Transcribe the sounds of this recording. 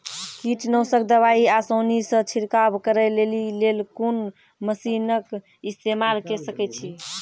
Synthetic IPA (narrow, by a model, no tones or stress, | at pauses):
kiʈnəwsək̚d̪əβaiasonisə̃t͡ʃʰiɾkabkəɾɛlelilelkun | məsinək | ist̪emalkesəkɛt͡ʃʰi